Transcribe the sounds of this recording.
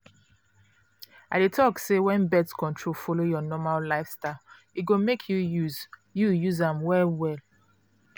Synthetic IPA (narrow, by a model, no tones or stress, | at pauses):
aɪdetʰɔksewɛ̃nbɛtskɔ̃ntʰɹofɔlojɔnɔmallaɪfstaɪ | it̚ɡomekʰjujuzjujuzãmwɛwɛl